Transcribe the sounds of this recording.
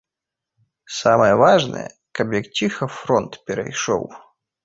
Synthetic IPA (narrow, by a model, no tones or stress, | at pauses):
samɐjɛvaʐnɐ̰jɛ̰ | kɐbjɐk̚t͡sʲixɐfɾɔnt̪pʲɛɾɐ̰jʂɔ̰w